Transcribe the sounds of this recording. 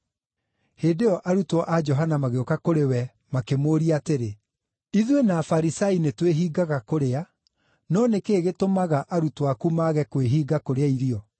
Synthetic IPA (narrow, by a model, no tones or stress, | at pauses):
heːdeɔʔaɾutɔʔad͡ʒɔɦanamaɣeokakoɾewɛ | makemoːɾiateɾe | iðwenaːfaɾisainetweɦiːɡaɣakoɾea | nɔnekeːɣetomaɣaʔaɾutwakumaːɣɛkweɦiːɡakoɾeaiɾiɔ